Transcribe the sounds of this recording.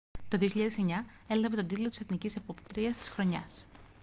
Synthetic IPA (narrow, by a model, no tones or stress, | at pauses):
t̪o̞ðio̞çiʎɐðe̞seɲɐ | e̞lɐve̞t̪o̞d̪it̪lo̞t̪ise̞θnicise̞po̞pt̪ɾiɐst̪i̥sxɾo̞ɲɐs